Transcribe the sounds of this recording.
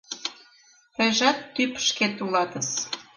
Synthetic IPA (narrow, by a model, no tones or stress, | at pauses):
təjʒɑt̪ːypʃket̪ulɑt̪əs